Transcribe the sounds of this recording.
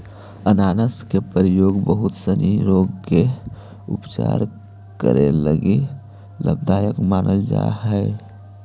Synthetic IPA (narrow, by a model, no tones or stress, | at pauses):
ənaːnəskepəɾijoɡbəɦut̪səniɾoɡke | ṵpt͡ʃa̰ɾ | kə̰ɾḛləɡi | lə̰b̚d̪ajəkmaːnʔəld͡ʒa̰ɦəɪ